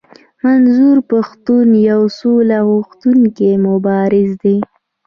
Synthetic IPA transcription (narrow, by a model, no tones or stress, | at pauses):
manzuɾpaxt̪unjawsolaɣʊxt̪unkemʊbɑɾɪzd̪e